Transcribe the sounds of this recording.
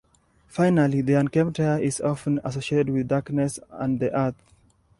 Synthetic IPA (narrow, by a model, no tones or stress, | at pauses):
faɪnaliðiãnkɛ̃mtʰɛəʔɪzɔfə̃na̰sosietəd̚wɪðdaɹknɛsãnðiʔəθ